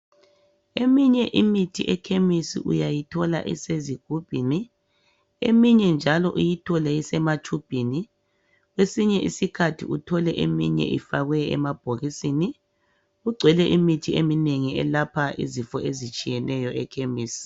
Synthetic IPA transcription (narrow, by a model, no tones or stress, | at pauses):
emiɲɛʔimitʰḭʔɛkʰemisḭʔujajitʰɔla̰ʔḭseziɡ̥ʱub̥ʱini | ḛmiɲɛnd͡ʒʱalɔʔujitʰɔlɛisɛmat͡ʃʰub̥ʱini | ɣwesiɲɛʔisikʰatʰḭutʰɔlɛʔemḭɲɛ̰ʔḭfaɣwɛɛ̰mab̥ʱoɣisini | uɡ͡ǀʱwɛlɛʔimitʰiemineŋiɛlapʰaʔḭzifɔʔezit͡ʃʼijɛnɛjɔɛkʰemiːsi̥